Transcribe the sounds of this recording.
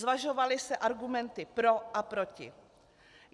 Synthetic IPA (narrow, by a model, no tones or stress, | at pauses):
zvaʒo̞valɪsɛʔaɾɡumɛnt̪ɪpɾo̞ʔapɾo̞cɪ̰